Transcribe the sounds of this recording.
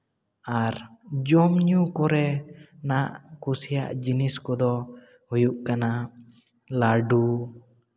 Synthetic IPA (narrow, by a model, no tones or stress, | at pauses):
aɾd͡ʒɔmɲukɔɾɛnaʔkusija̰ʔd͡ʒiniskɔd̪ɔ | hujuʔkana | laɖu